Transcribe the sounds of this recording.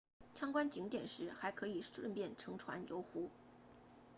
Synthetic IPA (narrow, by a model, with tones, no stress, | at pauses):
t͡ɕʰjɑ˥ŋkwa˥nt͡ɕi˧˥ŋt̪jɛ˨˩nʂɻ̩˧˥xa˧˥ɪkʰɤ˧˥i˨˩ʂwə̰˥˧pjɛ˥˩nʈ͡ʂʰɤ˧˥ŋʈ͡ʂʰwa̰˧˥njo˧˥ʊxu˧˥